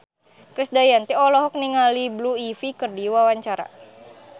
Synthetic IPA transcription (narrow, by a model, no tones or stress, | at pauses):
kɾɪsdajant̪iɔlɔɦɔk̚niŋalibluifikərdiwawaɲt͡ʃaɾa̰